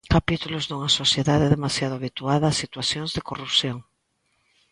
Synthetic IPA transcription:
kapit̪ulozðuŋasosjeðaðeðemasjað̞oaβit̪uaðaːsit̪waθjoŋzðekorupsjõŋ

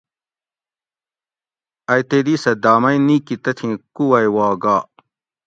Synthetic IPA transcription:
ɐjt̪ed̪isɐd̪aːmɐĩnĩkit̪ɐt̪ʰĩkuwɐjwaːɡaː

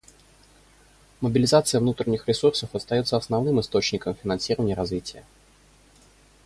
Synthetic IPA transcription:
məbʲɪlʲɪzat̪sɨjəvnut̪ɾʲɪnʲːɪxɾʲɪsursəfɐst̪ɐjo̞t̪səɐsnɐvnɨmɨst̪o̞t͡ɕnʲɪkəmfʲɪnɐnsʲiɾəvənʲɪjəɾɐzvʲitʲɪjə

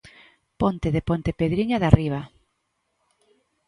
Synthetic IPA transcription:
pɔnt̪eðepont̪epeðɾiɲaðariβ̞a

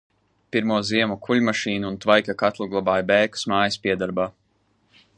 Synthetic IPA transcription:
piɾmuɔziɛmukʰuʎʲmaʃiːnuːnt̪vajkʲakat̪lˠuɡlˠabaːjbɛːku̥smaːjispʲiɛd̪aɾbaː

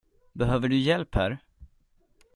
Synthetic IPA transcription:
bɛɦøːvəɖɵjɛlphæ̰ːɾ

